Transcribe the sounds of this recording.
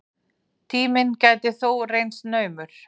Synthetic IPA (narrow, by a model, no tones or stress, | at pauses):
t̪ʰiːmɪncaːjt̪ɪθowrejnsnœːɥmʏɾ̥